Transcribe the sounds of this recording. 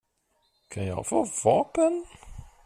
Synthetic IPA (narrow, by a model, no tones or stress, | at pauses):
kʰanjɑ̰ːɡfoːvɑːpən